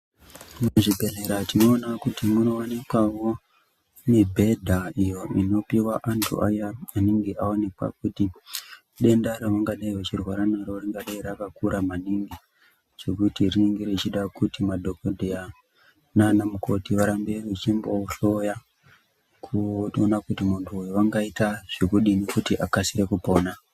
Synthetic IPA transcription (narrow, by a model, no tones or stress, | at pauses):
noʐibʱe̞ɮeɾatino̞ːnakutimuno̞anekwawo̞ | ne̞bʱe̞dʱaijo̞ino̞piwaʔantʰṵʔa̰jaaniŋɡeʔaone̞kwa̰kuti | ɗe̞ndaɾeʋaŋɡaɗaiwet͡ʃirwaɾanaɾoriŋɡaɗaiɾakakuɾamaniŋɡi | d͡ʒe̞kutirineŋɡiɾet͡ʃiɗakutimadʱo̞kodʱeja | nanamuko̞tiʋaɾambe̞riit͡ʃimbo̞ɬo̞ja | kʰuonakutimuntʰuːjoʋaŋɡaitaʐ̥ekuɗine̞kutiʔakasiɾe̞kupo̞ːna